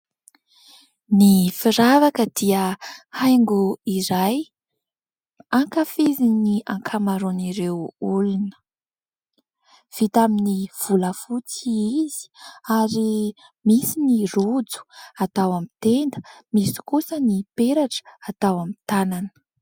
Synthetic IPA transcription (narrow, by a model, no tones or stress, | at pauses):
nifiɾavakəd̪̥iəhajŋɡuiɾaj | aŋkafiziniaŋkʰamaɾoniɾewulunə̥ | v̥it̪aminiv̥uləfut͡siizi̥aɾi | misinirud͡zu̥at̪awamit̪end̪ə̥misi̥kusənipeɾaʈ͡ʂə̥at̪awamit̪ananə̥